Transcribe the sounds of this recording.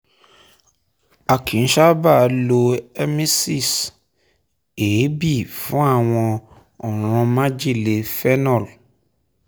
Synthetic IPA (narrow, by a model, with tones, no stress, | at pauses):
a˨kʰĩ˨n̩˦ʃa˦ba˦˨˧lo˧ɛ˦mi˦si˦˨s | e˨˦bi˦˨fũ˦a˦˨w̃ɔ̃˧ | ɔ˨ɾ̃ɔ̃˧mã˦d͡ʒi˦˨le˨fɛ˦nɔ̃˦˨l